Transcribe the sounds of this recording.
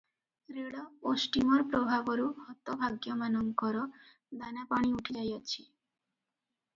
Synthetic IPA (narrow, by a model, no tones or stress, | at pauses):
ɾeɽoosʈimoɾpɾobʱaboɾuhɔt̪ːobʱaɡjomanoŋkɔɾo | d̪anapaɽ̃iuʈʰid͡ʑajat͡ɕʰi